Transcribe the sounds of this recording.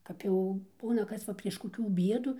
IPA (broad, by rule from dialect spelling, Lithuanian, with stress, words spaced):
kɐp ˈjɛʊ ˈbuːnɐ ˈkɐs ʋɐ pʲrʲiɛʃ koːˈkʲuː ˈbʲiɛduː